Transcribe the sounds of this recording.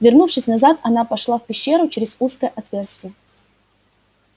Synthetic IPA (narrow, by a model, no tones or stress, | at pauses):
vʲɪrnufʂɨsʲnɐzat̪ɐnapɐʂlˠafpʲɪɕːe̞ɾʊt͡ɕɪɾʲɪz̥uskəjəʔɐt̪vʲe̞rsʲtʲɪə